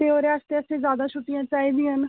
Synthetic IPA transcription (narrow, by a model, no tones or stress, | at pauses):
t̪eːoːɾeaːst̪eəsẽːzjaːd̪aːʃʰʊʈːijãːt͡ʃaːiːd̪iːən